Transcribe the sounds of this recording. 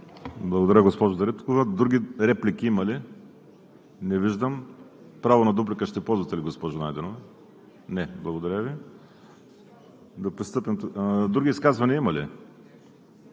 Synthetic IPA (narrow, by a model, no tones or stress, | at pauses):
blˠɐɡod̪ɐɾʲəɡospɔʒʊd̪ɐɾɛt̪kovɐd̪ɾuɡʲiɾɛplikʲiimɐli | nɛviʒd̪əm | pɾavonɐd̪ubɾikəʃt̪ɛpɔlˠzvɐt̪ɛliɡospɔʒʊnajd̪ɛnovɐ | nɛblˠɐɡod̪ɐɾʲəvi | d̪ɐpɾist̪ɤpɛmt̪d̪ɾuɡʲiskazvɐniəimɐli